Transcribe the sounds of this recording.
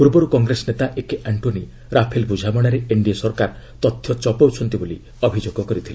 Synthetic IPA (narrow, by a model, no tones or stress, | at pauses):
puɾbɔɾukɔŋɡɾesɔnet̪aʔekeʔaɳʈoni | ɾapʰelbud͡ʒʱabɔɽ̃aɾeeɳɖiasɔɾkaɾ | t̪ɔt̪ʰːjɔt͡ʃɔpɔwt͡ʃʰɔnt̪iboli | ɔbʱid͡ʒoɡɔkɔɾit̪ʰile